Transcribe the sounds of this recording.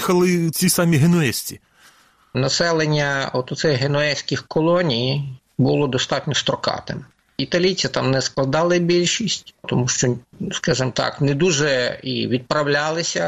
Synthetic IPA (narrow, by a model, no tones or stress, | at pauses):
xɐlˠɪt͡sʲisɑmʲiɦenʊɛsʲtʲi | nɐsɛlˠenʲːɐɔt̪ɔt̪sɛjɦenɔɛsʲkʲɪxkɔlˠɔnʲiji | bʊlˠɔd̪ɔst̪ɑtʲnʲɔst̪ɾɔkɑ̰t̪ɪ̰m | it̪ɐlʲijt͡sʲit̪ɑmnɛsklˠɐd̪ɑlˠɪbʲilʲʃisʲtʲt̪ɔmuʃt͡ʃɔskɑʒɨmt̪ɑ̰knɛd̪uʒɛḭʋʲid̪̚pɾɐwlʲalˠɪsʲɐ